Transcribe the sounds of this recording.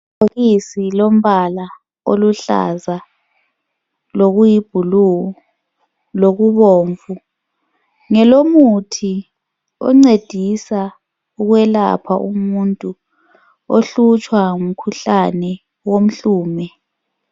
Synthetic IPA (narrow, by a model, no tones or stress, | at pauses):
oɣisilom̩βala | o̰luɬa̰za | loɣujib̥ʱulu | loɣuβoːɱvu | ŋɛlomutʰi | ɔ̰ŋ͡ǀed̥ʱisa | uɣwɛla̰pʰaʔṵmuntʼu | oɬut͡ʃʼwauŋum̩kʰuɬanɛ | wom̩ɬuːmɛ